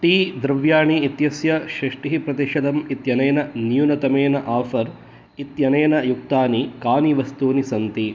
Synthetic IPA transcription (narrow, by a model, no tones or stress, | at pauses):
ʈiːd̪ɾɐʋjaːɳiːt̪jɐsjɐʃɾɐʂʈiɦipɾɐt̪iʃɐd̪ɐmit̪jɐneːnɐnjunɐt̪ɐmeːnɐʔaːfɐɾ | it̪jɐneːnɐjuk̚t̪aːnikaːniʋɐst̪uːnisɐnt̪i